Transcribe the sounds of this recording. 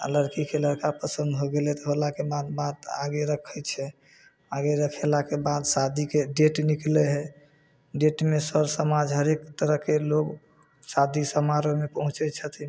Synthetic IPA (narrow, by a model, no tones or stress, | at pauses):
ə̰ləɾkikeləɾkapəsənd̪ɦoɡelɛt̪ɔɦolakebad̪bad̪aɡeɾəkʰət͡ʃʰɛ | aɡeɾəkʰelakebad̪sad̪ʱikeɖeʈnikleɦɛ | ɖeʈmesəɾsəmad͡ʒɦəɾekt̪əɾəɦkeloɡ | sad̪ʱisəmaɾomepəɦũt͡ʃɛt͡ʃʰət̪ʰi